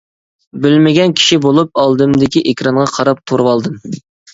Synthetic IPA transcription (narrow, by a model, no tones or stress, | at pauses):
bɪlmɪɡʲɛnkʲʰi̥ʃibolˠup̚ɑlˠd̪ɨmd̪ɪkʲiʔekʲɾɑɴʁɑqʰɑɾɑp̚t̪ʰoɾwɑlˠd̪ɨm